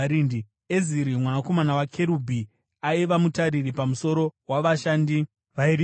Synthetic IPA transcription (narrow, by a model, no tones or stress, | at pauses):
ɾindi | eziɾimwanako̞manawakʰe̞ɾubʱi | aiʋamutaɾiɾipamuso̞ɾo̞waʋaʃaːndi | ʋaiɾ